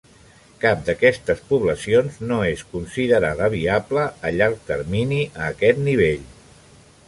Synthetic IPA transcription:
kap̚d̪əkɛst̪əspuβləsionznoeskunsiðəɾaðəβ̞iabləːʎaɾk̚t̪əɾminiʔəːkɛt̪niβ̞eʎ

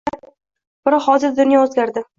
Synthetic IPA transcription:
b̥ɪɾhɒzɪɾd̪ʊnjɒɵzɡʲaɾd̪ɪ

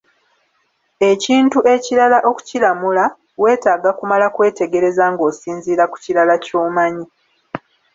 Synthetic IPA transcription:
e̞ciːntuʔe̞ciɾalaʔo̞ku̥cilamula | we̞ːtaːɡakumalakwe̞ːte̞ɡe̞ɾe̞zaŋɡo̞ːsiːnziːɾaku̥ciɾalaco̞ːmaɲi

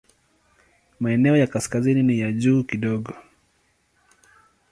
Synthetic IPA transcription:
maɛnɛɔjakaskazininijaʄuːkiɗɔɠɔ

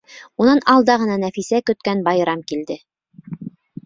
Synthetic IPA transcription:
unɑnɑlˠd̪ɑʁɤ̆nɑnæfisækɵ̆t̪̚kænbɑjɾɑmkild̪ɘ

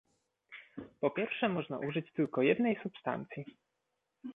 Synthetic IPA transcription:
pɔpʲjɛɾfʂɛmɔʐna̰ʔuʐɘt͡ɕt̪ɘlkɔjɛd̪nɛjsupst̪a̰nt̪sʲji

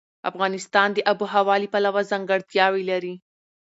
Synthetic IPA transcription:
a̰fɣɑnɪst̪ɑnd̪əʔabuɦawɑlipalawazaŋɡəɽt̪jɑwilaɾi

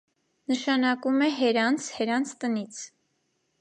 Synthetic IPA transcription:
nəʃɑnɑkumɛɦɛɾɑnt͡sʰhɛɾɑnt͡sʰt̪ənit͡sʰ

